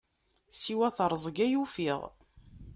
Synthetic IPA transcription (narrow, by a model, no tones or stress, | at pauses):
siwæθəɾˤzˤɡæjufiʁ